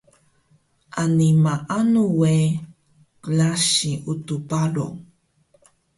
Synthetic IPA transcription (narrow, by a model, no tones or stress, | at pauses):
ʔanimaʔanuwe | klaɕiutupalo̰